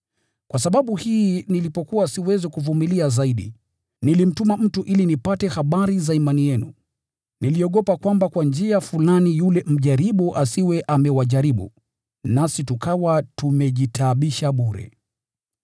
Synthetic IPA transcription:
kwasaɓaɓuhiːnilipɔkuwasiwɛzɛkuvumiliazaiɗḭ | nilim̩tumam̩tuʔilinipatɛhaɓaɾizaimanijɛnṵ | niliɔɠɔpakwambakwand͡ʒiafulanijulɛm̩ʄaɾiɓuʔasiwɛʔamɛwaʄaɾiɓṵ | nasitukawatumɛʄitʰaɓiʃaɓuɾɛ̰

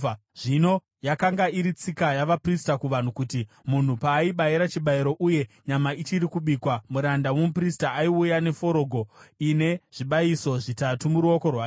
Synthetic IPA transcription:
ʐino̞ | jakaŋɡaiɾit͡sikajaʋapristakuʋan̤ukuti | mun̤upaːiɓaiɾat͡ʃiɓaiɾo̞ʔuje̞ɲamait͡ʃiɾikuɓikwamuɾandawomupristaːiujane̞fo̞ɾo̞ːɡʱo̞ine̞ʐ̥iɓaiso̞ʐitatumuɾuo̞ko̞rwa

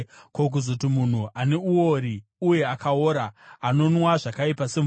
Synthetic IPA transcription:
kok̬uzotimun̤uʔane̞uo̞ɾiuje̞akaoːɾaːno̞nwaʐakaipase̞m

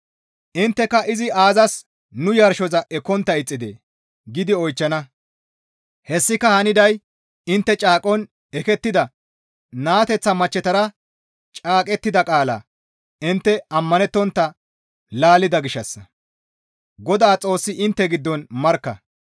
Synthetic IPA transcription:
ʔɪnt̪ːɛkɐʔɪzɪaːzɐs | nʊjɐɾʃɔzɐʔɛkːɔnt̪ːɐɪt͡sʼːɪd̪ḛː | ɡɪd̪ɪɔjt͡ʃːɐnɐ | hɛsːɪkɐhɐnɪd̪ɐj | ɪnt̪ːɛt͡ʃʼaːkʼɔn | ɛkɛt̪ːɪd̪ɐ | naːt̪ɛt͡sːɐmɐt͡ʃːɛt̪ɐɾɐ | t͡ʃʼaːkʼɛt̪ːɪd̪ɐkʼaːlɐ̰ː | ɪnt̪ːɛɐmːɐnɛt̪ːɔnt̪ːɐ | laːlɪd̪ɐɡɪʃːɐsːɐ | ɡɔd̪aːt͡sʼo̞ːsːɪʔɪnt̪ːɛɡɪd̪ːɔnmɐɾkːɐ̰

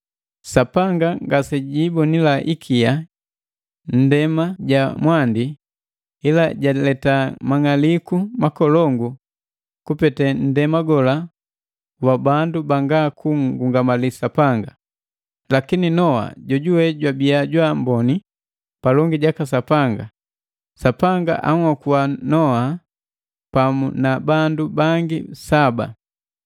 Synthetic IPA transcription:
sapaŋɡaŋɡasɛɟibɔnilaʔikʰia | n̩dɛmaɟamwandi | ɛlaɟalɛtamaŋalikumakɔlɔŋɡu | kupɛtɛn̩dɛmaɡɔla | wabandubaŋɡakuŋɡuŋɡamalisapaŋɡa | lakininɔa̰ɟɔɟuwɛɟwabiaɟwambɔni | palɔŋɡiɟakas̬apaŋɡa̰ | sapaŋɡa̰ʔa̰ŋakuwanɔha | pamṵnabandubaŋɡisaba̰

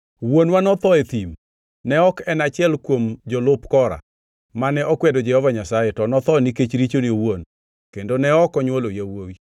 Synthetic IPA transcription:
wonwanɔt̪ɔet̪im | nɛɔkɛnat͡ʃɪɛlkwomd͡ʒɔlʊpkɔɾa̰ | manɛʔɔkwɛdod͡ʒɛhɔvaɲasajɛtɔnɔt̪ɔniket͡ʃɾit͡ʃoniowon | kendonɛɔkɔɲwolojawowi

